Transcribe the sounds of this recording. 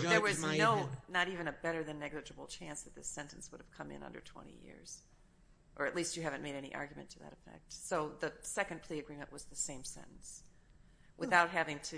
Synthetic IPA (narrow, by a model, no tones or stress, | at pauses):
ðə˞wʌznoʊnəɾivɨ̃ñɨbɛɾə˞ðɨ̃nːɛɡlˠɨd͡ʒɨbl̩ˠt͡ʃʰæ̃nsðɨt̪̚ðɪsɛ̃ntn̩swʊɾɨv̥kʰʌ̃mɨ̰̃nʌ̰̃ndə̰˞tʰw̥ɛ̰̃ɾ̃ḭjɪ̰ɹz̥ | ʔə˞ɨʔˡlistt͡ʃɨɦævɨ̃nmeɪɾɛnḭʔɑ̰ɹɡjmɨ̰̃ntʰɨðɨ̰ɾɨfɛ̰k̚t̚soʊðɨsɛkɨ̃npʰl̥iɨɡɹĩmɨ̃nʔwʌzðɨsẽɪ̃msɛ̰̃nn̩s | wʔəθaʊt̚ɦævɪ̃ŋtʰɨ